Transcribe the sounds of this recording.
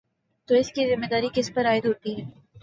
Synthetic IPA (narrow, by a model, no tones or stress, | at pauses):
t̪oɪskizɪmːed̪aːɾikɪspɐɾaːɪd̪ɦoːt̪iɦɛː